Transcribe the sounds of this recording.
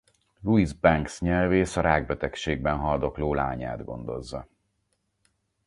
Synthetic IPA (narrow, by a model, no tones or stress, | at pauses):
luizbɛŋksɲɛlveːsɒɾaːɡ̚bɛt̪ɛkʃeːɡ̚bɛnɦɒld̪o̞kloːla̰ːɲa̰ːd̪ɡo̞̰n̪d̪o̞̰zːɒ